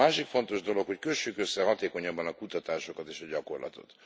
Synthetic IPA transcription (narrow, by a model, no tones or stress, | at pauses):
aːʃikfo̞nt̪o̞ʒd̪o̞lo̞kho̞ckøʃːykøsːɛɦɒt̪eːko̞ɲɒbːɒnɒkut̪ɒt̪aːʃo̞kɒt̪eːʃɒɟɒko̞̰rlʔɒ̰t̪o̞̰t̪